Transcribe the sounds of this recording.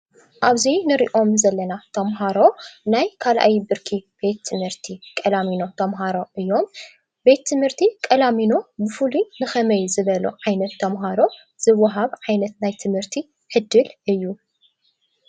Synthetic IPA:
ʔaβzinɨɾḭʔo̞mzɐlːɐnat̪ʰɐmɦaɾo̞najkʰalʔa̰jibɨɾkʰib̥e̞t̪ʰːɨmhɨɾt̪ʰikʼɐlamino̞t̪ʰɐmɦaɾo̞ʔɨjːo̞m | be̞t̪ʰːɨmhɨɾt̪ʰikʼɐlamino̞bɨfulunɨxɐmɐjzɨβɐluʕajnɐt̪ʰːɐmɦaɾo̞ | z̥ɨwːɐɦaβʕajnɐt̪najt̪ʰɨmhɨɾt̪ʰi | ħɨd̪ːɨlʔɨjːu

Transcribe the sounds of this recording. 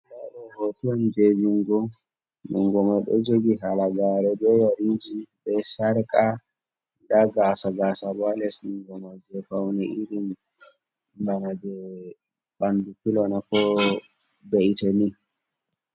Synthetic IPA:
laɗɔhotuɔnd͡ʒed͡ʒiŋɡɔ | niŋɡɔmaɗɔ̰d͡ʒoɡiɦalaɡaɾɛbɛjaɾid͡ʒibɛsaɾkʼa | daɡasaɡaːsabalɛsniŋɡɔmad͡ʒɛfawnɛʔiɾim | banad͡ʒɛ | ɓandukilɔnakɔ | beitamin

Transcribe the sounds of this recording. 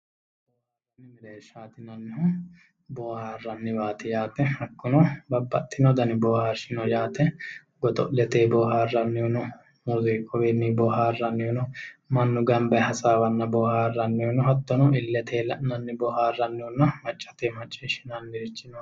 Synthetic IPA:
rhhboːhaːɐnːɪmɪɾeːʃːaːt̪ɪnɐnːɪhʊ | boːhaːrːɐnːɪbaːt̪ɪjaːt̪ɛhɐkːʊnɔbɐbːɐt̪ʼːɪnɔd̪ɐnɪbɔːhaːɾʃɪnɔjaːt̪ɛ | ɡɔd̪ɔ̰ʔlɛt̪eːbɔːɦaːrːɐnːɪʊnʊ | muziːkʼɔwenːibɔːhaːrːɐnːɪʊnʊmɐnːʊɡɐmbɛhɐsaːwɐnːɐbɔhaːrːɐnːɪʊnʊhɐt̪ːɔnɔɪlːɛt̪ʰeːlɐ̰ʔnɐnːɪbɔhaːrːɐnːɪhʊnːɐmɐt͡ʃʼːɐ̥t̪eːmɐt͡ʃʼːeːʃɪnɐnːɪɾɪt͡ʃːɪnɔ

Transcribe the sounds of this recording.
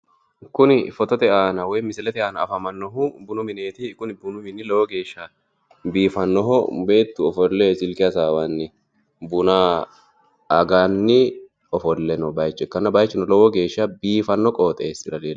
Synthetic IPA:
kːʊnɪfɔt̪ɔt̪ɛaːnɐwɔjmɪsɪlɛt̪ɛaːnɐːfɐmɐnːɔɦʊbʊnʊmɪne̞ːt̪ɪkʊnɪbʊnʊmɪnɪlɔwɔɡe̞ːʃːɐ | biːfɐnːɔɦɔbe̞ːt̪ːʊɔfɔlːesɪlkɪjɐsaːwanːɪ | bʊna | ɐɡaːnːɪ | ɔfɔlːɛnɔbɐjt͡ʃːɛkːɐnːɐbɐjt͡ʃːɪnɔlɔwɔɡe̞ːʃːɐbiːfɐnːɔkʼoːt̪ʼeːsːɪd̪ɐleːl

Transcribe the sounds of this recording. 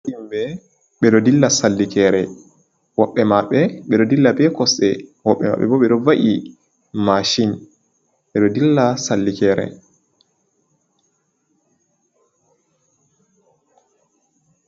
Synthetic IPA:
imbɛ | ɓɛɗɔdilːasalːikɛːɾɛ | wɔɓːɛmaɓɛɓɛɗɔdilːabɛkɔsɗɛwɔɓːɛ̰ma̰ɓɛ̰bɔɓɛɗɔvaʔi | maʃin | ɓɛɗɔdilːasalːikɛːɾɛ̰

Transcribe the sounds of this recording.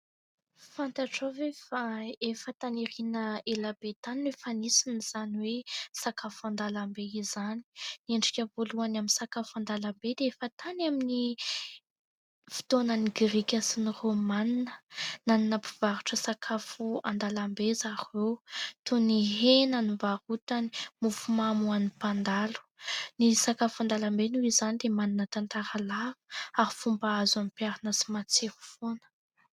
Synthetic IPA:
fant̪aʈ͡ʂovefaefət̪aniɾinəelab̥et̪aninwefanisiniz̥aniwesakafuand̪alambeizani̥neɳɖ͡ʐikʲəvoluanaminsakafuand̪alambed̪eefət̪anamini | fi̥t̪onəniɡɾikʲasiniromaninənaninəpiv̥aɾuʈ͡ʂəsakʰafua̰nd̪alambezaɾewt̪uniɦenanivaɾut̪ani̥mufumamuanipand̪alu̥nisakafand̪alambenuizanid̪emaninət̪ant̪aɾalavu̥aɾifumbaazamipiaɾanəsi̥mat͡seɾu̥fonə̥

